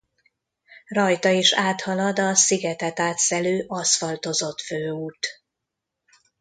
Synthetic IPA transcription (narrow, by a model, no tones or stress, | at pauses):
rɒjt̪ɒiʃaːt̪hɒlɒd̪ɒsiɡɛt̪ɛt̪aːt̪sɛløːʔɒsfɒlt̪o̞zo̞t̪føːut̪